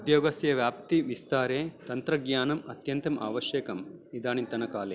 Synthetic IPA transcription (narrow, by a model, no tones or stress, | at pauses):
d̪joːɡɐsjɐʋjaːp̚t̪iʋist̪aːɾeːt̪ɐnt̪ɾɐɡɲaːnɐmɐt̪jɐnt̪ɐmʔa̰ːʋɐʃjeːkɐmid̪aːnint̪ɐnɐkaːleː